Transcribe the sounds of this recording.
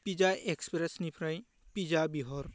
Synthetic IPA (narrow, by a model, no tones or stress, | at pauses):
pid͡ʒaʔekspɾesnipʰɾaj̃ | pid͡ʒabiɦɔɾ